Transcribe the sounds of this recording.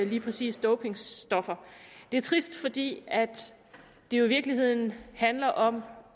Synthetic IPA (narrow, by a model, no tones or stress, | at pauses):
liːpʰʁɛsḭːsd̥oʊpʰe̝ŋsd̥ɒ̽fɐd̥e̝æɐt͡sʰʁisd̥fɒ̽d̥ḭːæd̥ː | e̝jo̝ʋiɐɡ̥liɦe̝ð̞̰ˠn̩hænlɐʔɒ̽m